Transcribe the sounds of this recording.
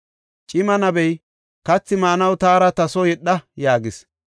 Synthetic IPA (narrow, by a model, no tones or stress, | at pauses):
t͡ʃʼɪmɐnɐbɛj | kɐt͡sːɪmaːnɐwt̪aːɾɐt̪ɐsɔjɛɗːɐjaːɡɪs